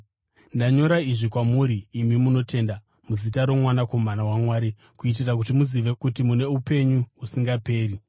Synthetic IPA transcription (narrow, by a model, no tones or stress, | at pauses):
ndaɲo̞ɾaiʐikwamuːɾiːmimuno̞te̞nda | muzitaɾo̞mwanako̞manawamwaːɾi | kuit̬irak̬utimuziʋe̞kutimune̞upe̞ɲuusiŋɡape̞ːri